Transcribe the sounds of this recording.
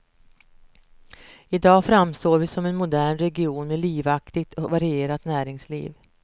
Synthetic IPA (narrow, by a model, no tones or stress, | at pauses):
ɪd̪ɑːfɾamst̪oːvɪsɔmɛnmʊd̪æːɳɾɛɡɪuːnmeːliːvakt̪ɪɡt̪ʰɔvaɾɪeːɾat̪næːɾɪŋslḭːv